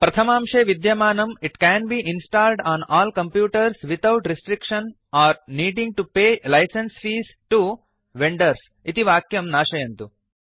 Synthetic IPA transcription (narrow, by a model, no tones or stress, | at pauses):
pɾɐt̪ʰɐmaːmʂeːʋid̪jɐmaːnɐmiʈkɛ̃ːnbiːʔĩnsʈaːlɖãːnɔːlkɐ̃mpjuːʈɐɾsʋit̪ʰawʈɾisʈɾikʃɐ̃n | aːɾniːɖĩŋʈupeːlɐjsensfiːs | ʈu | ʋẽɳɖɐɾs | it̪iʋaːkjɐmnaːʃɐjɐnt̪u